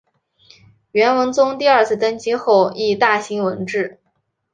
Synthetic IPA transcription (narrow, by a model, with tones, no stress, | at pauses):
ɥɛ˧˥nwə˧˥nt͡sʊ˥ŋt̪i˥˧ɐ˞˥˧t͡sʰɹ̩˥˩t̪ə˥nt͡ɕi˥xo˥˧ʊi˥˧t̪a˥˩ɕi˧˥ŋwə˧˥nʈ͡ʂɻ̩˥˩